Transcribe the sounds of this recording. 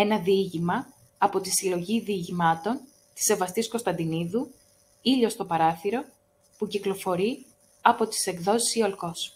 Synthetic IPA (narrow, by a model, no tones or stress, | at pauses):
e̞nɐðiʝimɐː | po̞t̪isilo̞ʝiðiːʝimɐt̪o̞n | t̪i̥se̞vɐst̪isko̞st̪ɐnd̪iniðu | iʎo̞st̪o̞pɐɾɐθiɾo̞ | puciklo̞fo̞ɾi | ɐpo̞t̪i̥se̞kðo̞si̥siolko̞s